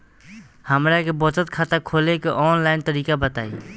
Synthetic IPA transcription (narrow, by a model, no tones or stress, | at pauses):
həmɾakebot̪ət̪kʰat̪akʰoːlekeʔɔːnlaːɪnt̪əɾiːkabət̪aːḭː